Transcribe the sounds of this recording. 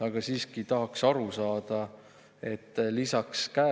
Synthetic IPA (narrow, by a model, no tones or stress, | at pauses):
ɑɡ̥ɑsiːskit̪ɑɦɑksɑɾusɑːd̪̥ɑ | e̞t̪ːlisɑkskæː